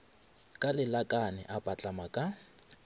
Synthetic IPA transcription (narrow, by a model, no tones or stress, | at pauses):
kʼalɪlakʼanɛ̰ʔapʼat͡ɬʼamakʼa